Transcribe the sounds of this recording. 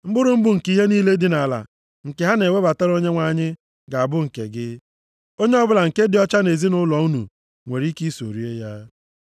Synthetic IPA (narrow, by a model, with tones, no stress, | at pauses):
m̩˦bʊ˦ɾʊ˨m̩˦bʊ˨ŋ̩˨ki˦ɦe˦niː˦le˦dɪ˨na˨la̰˨ | ŋ̩˨ke˨ɦa˦ne˨we˦ba˨ta˦ɾo˦ɲe˦ŋʷa˦ɲɪ˦ | ɡa˨a˨bʊ˦ŋ̩˨kḛ˨ɡɪ˦ | o˦ɲe˦ɔ˦bʊ˦la˨ŋ̩˨ke˦dɪ˨ɔ˦t͡ʃa˦ne˨zi˦nʊ˦lɔ˨u˦nṵ˨ | ŋʷe˨ɾi˦ki˦so˨ɾi˦e˦ja˦